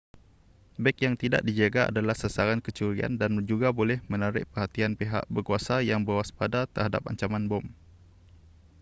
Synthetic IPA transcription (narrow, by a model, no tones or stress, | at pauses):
bɛkjaŋt̪ida̰ʔdid͡ʒaɡaʔa̰dalahsəsaɾankət͡ʃuɾia̰ndand͡ʒuɡabolɛhmə̃naɾɪ̰ʔ̚pərhat̪ianpeɦa̰ʔbərkuasajaŋbəwaspadat̪ərhada̰p̚a̰ɲt͡ʃamãnbɔm